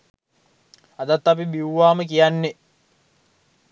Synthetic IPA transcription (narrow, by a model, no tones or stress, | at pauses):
ɐd̪ɐt̪ːɐpibiwʋaːməkijanːe